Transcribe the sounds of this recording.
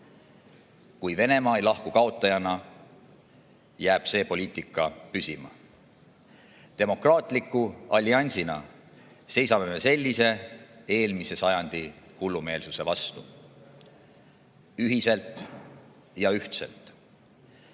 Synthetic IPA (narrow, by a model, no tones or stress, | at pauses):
kujve̞ne̞mɑːejlɑhkukɑot̪ːˑɑjɑnɑ | jæːb̥se̞ːpo̞lʲiːt̪ˑikːˑɑpysimɑ̰ | t̪e̞mo̞krɑːt̪ˑlikːˑuɑlʲːiɑnʲsinɑ̰ | se̞jsɑme̞me̞se̞lʲːise̞e̞ːlmise̞sɑjɑnd̪̥ihulːume̞ːlsuse̞vɑst̪u | yɦise̞lt̪ˑ | jɑyht̪se̞̰lt̪ˑ